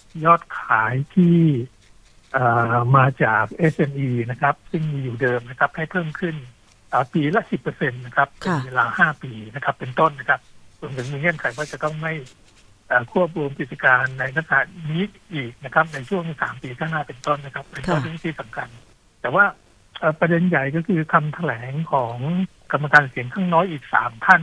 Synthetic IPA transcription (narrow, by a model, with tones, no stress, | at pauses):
jɔː˥˩t̪̚kʰaː˩˦jt̪ʰiː˥˩ | ʔaː˨˩maː˧t͡ɕaː˨˩k̚ʔe˦˥sʔe˧mʔiː˧na˦˥kʰa˦˥p̚si˥˩ŋmiː˧juː˨˩dɤː˧mna˦˥kʰa˦˥p̚ha˥˩jpʰɤː˥˩mkʰɯ˥˩n | ʔəː˨˩piː˧la˦˥si˨˩pːɤː˧se˧nːa˦˥kʰa˦˥p̚ːa˧we˧ɾaː˧haː˥˩piː˧na˦˥kʰa˦˥pːe˧nt̪o˥˩nːa˦˥kʰa˦˥p̚su˧˦mt̪ʰɯ˩˦ŋmiː˧ŋɯ˥˩ənkʰa˨˦jwaː˥˩t͡ɕa˨˩t̪ɔ˥˩ŋma˥˩j | ʔəː˨˩kʰu˥˩əp̚ɾu˧əmki˨˩t̪̚ːt͡ɕa˧kaː˧nːa˧jna˦˥ksa˨na˧˩ʔniː˦˥ʔiː˨˩k̚na˦˥kʰa˦˥p̚na˧jt͡ɕʰu˥˩əŋtʰi˥˩sa̰ː˩˦mpiː˧k̪ʰaː˥˩ŋnaː˥˩pe˧nt̪o˥˩nːa˦˥kʰa˦˥pːe˧nt̪o˥˩i˥˩mi˥t̪iː˧˩sa˩˦mkʰa˧n | t̪ɛː˨˩waː˥˩ | ʔəː˨˩pɾa˧de˧nja˨˩jkɔː˥˩kʰɯː˧t̪ʰa˧mt̪ʰa˧lɛː˩˦ŋkʰɔː˩˦ŋ | ka˧mːa˧kaː˧nsi˨˩˦əŋkʰaː˥˩ŋnɔː˦˥jʔiː˨˩k̚sa̰ː˩˦mt̪ʰa˥˩n